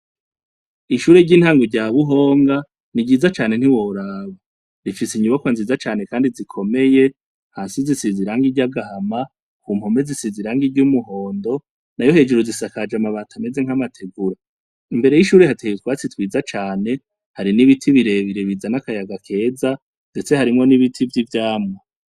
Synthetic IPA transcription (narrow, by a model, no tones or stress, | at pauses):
iʃuːɾeɾɟiːnhaːŋɡoɾɟaːβuɦo̞ːŋɡa | niɟiːzat͡ʃaːne̞n̥hiwoɾaβa | ɾifisiɲuβakwanziːzat͡ʃaːne̞kaːndizikʰo̞me̞je̞ | haːnsizisiziɾaːŋɡiɾɟaɡahama | kuːm̥ho̞me̞zisiziɾaːŋɡiɾɟuːmuɦo̞ːndo̞ | najohe̞ːd͡ʒeɾozisakad͡ʒamaβaːtʰame̞ze̞ŋ̥amatʰe̞ɡuɾa | imbe̞ɾe̞jiʃuːɾihatʰeetwaːt͡sitwiːzat͡ʃaːne̞ | haɾiniβitʰiβiɾe̞βiɾeβizanakajaɡakʰe̞ːza | nde̞t͡se̞haɾimŋo̞niβitʰivjivjaːmŋa